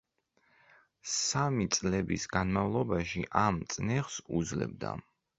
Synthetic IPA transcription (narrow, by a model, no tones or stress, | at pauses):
samit̪sʼlɛbisɡanmavlˠɔbaʃiʔamt̪sʼnɛʁsud̪zlɛ̰b̚d̪a̰